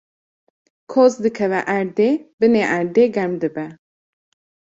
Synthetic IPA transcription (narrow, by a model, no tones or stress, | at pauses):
kʰoːzd̪ɨkʰɛvɛʔæɾd̪eːbɨneʔæɾd̪eːɡɛɾmd̪ɨbɛ